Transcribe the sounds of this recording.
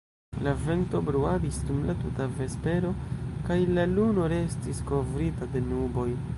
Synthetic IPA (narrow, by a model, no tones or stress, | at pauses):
lave̞nto̞bɾuadisdumlatutave̞spe̞ɾo̞kajlaluno̞ɾe̞stisko̞vɾitade̞nubo̞j